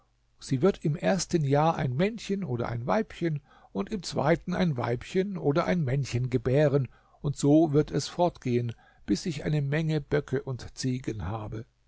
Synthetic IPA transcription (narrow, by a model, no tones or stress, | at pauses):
z̥iːvɪɐtɪmʔeːɐstənjaːɐʔa̰ɪnmɛnçənʔoːɾɐ̰ʔa̰ɪnvaɪpçən | ʔʊntɪmt͡sv̥a̰ɪtn̩a̰ɪnva̰ɪpçənʔoːdɐʔa̰ɪnmɛnçənɡəbɛːʁ̞ən | ʔʊntz̥oːvɪɐtɛsfɔɐtɡ̥eːən | b̥ɪsɪçʔa̰ɪnəmɛŋəb̥œkʰəʔʊntt͡siːɡənhaːbə